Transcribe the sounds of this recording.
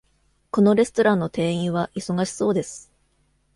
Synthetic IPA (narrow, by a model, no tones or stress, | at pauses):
ko̞no̞ɾe̞sɨ̥t̪o̞ɾãnːo̞t̪e̞ːĩɰ̃βaʔiso̞ɡaɕi̥so̞ːd̪e̞sɨ̥